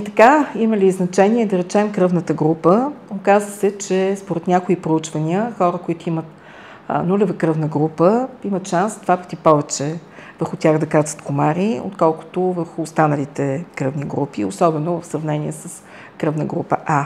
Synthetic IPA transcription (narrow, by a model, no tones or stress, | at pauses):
it̪ɐ̥kaiməliznɐt͡ʃɛniɛd̪ɐɾɛt͡ʃɛmkɾɤvnət̪əɡɾupəokazvəsɛt͡ʃɛspoɾɛt̪nʲakoipɾout͡ʃvənʲiəxɔɾəkoit̪ʊimət̪ | nulɛvəkɾɤvnəɡɾupəimət̪ʃansd̪vapə̥t̪ipɔvɛt͡ʃɛvəɾxʊt̪ʲaɣd̪ɐkat̪zə̥t̪komaɾio̰t̪kɔlˠkʊ̥t̪ovəɾxʊːst̪anəlit̪ɛkɾɤvniɡɾupio̰sɔbɛnovəfsɾɐvnɛniɛsəs | kɾɤvnəɡɾupə̰ʔa